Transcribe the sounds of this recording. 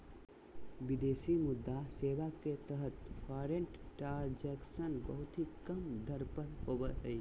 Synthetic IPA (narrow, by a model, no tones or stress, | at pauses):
bɪd̪eːsimʊd̪ːaseːʋaket̪əɦət̪pʰaːɾẽɳʈʈaɾd͡ʒɛksənbəɦʊt̪ɦikəmd̪ʱəɾpəɾhoːbəɦəi